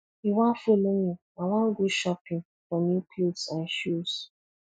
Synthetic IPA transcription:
iwafoloni | aŋaŋ̩ɡoʃɔpɪ̃ŋ | fɾɔmikʰlotsanʃus

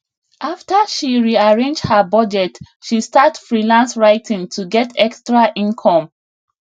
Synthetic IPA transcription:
ʔaftəʃiɹiaɹẽnd͡ʒhəbɔd͡ʒɛt | ʃistatfɹilãnsɹaɪtʰĩŋtʰuɡɛtʰɛkstɹaʔĩnkʰɔ̃m

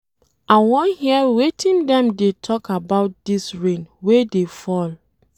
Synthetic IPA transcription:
awɔ̃nhiɛwetʰĩndɛ̃mdetʰɔkabaʊt̚disɹẽnwedefɔl

